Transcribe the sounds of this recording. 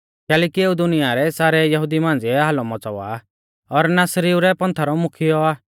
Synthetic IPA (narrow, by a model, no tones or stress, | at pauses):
kɛːlɛːkieːud̪ʊnɪjaɾɛsaːɾɛjɐɦʊd̪imãːnd͡ziɛɦaːlɔmɔt͡sɔʋa̰ | ɔɾnaːsɾiuɾɛpɐ̃nt̪ʰaɾɔmʊkʰɪjɔaː